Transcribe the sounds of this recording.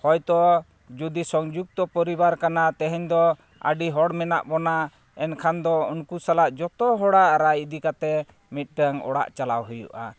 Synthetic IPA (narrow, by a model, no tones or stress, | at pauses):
hɔjt̪ɔ | d͡ʒud̪isɔŋd͡ʒuɡ̚t̪ɔpɔɾibaɾkanat̪ɛɦɛɲd̪ɔ | ə̰ɖiɦɔɽmɛna̰ʔbɔna | ɛnkʰand̪ɔunkusalaʔd͡ʒɔt̪ɔɦɔɽaʔɾajid̪ikat̪ɛ | mit̪̚ˀɖəŋɔ̰ɽa̰ʔt͡ʃalawɦujṵʔa̰